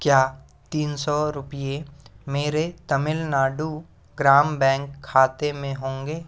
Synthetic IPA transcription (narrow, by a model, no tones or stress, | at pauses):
kjaː | t̪iːnsɔɾʊpijemeːɾet̪əmɪlnaːɖu | ɡɾaːmbɛ̃ːŋkʰːaːt̪emẽɦõːŋɡeː